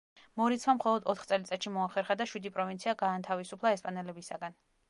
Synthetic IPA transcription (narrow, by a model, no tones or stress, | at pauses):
mɔɾit̪sʰmamχɔlˠɔd̪ɔt̪χt̪sʼɛlit̪sʼɛt̪ʃimɔaχɛɾχad̪aʃwid̪ipʼɾɔvint̪sʰiaɡaːnt̪ʰavisupʰlˠaɛspʼanɛlɛbisaɡan